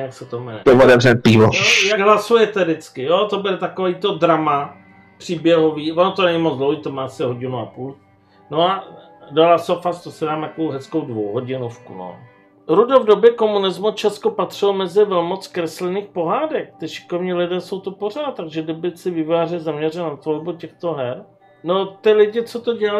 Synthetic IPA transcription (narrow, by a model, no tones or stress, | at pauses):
jaksɛt̪omɛnɛɛotɛvrɛpiːvojjaɡɦlasujɛt̪ɛdɪt͡skɪjot̪obɪlt̪akoviːt̪o̞dɾama | pr̥iːbjɛɦoviːvonot̪onɛɲimod͡zd̪lowɦiːt̪omaːasɪɦo̞ɟɪnuapuːl | no̞a | dalasofast̪osɛdaːmt̪akoowɦɛskowdvowɦoɟɪnofkṵno̰ | ɾudovdobjɛko̞munɪzmut͡ʃɛskopat̪r̝̥ɪlomɛzɪvɛlmot͡skɾɛslɪniːxpo̞ɦaːdɛk̚t̪ɪʃɪ̥kovɲiːlɪdɛːso̞wt̪upor̝aːt̪̚t̪ːaɡʒɛdɪbɪsɪvɪvaːrɛzamɲɛr̝ɛlnat̪volbucɛxt̪oɦɛɾ | not̪ɪlɪɟɪt͡sot̪oɟɛa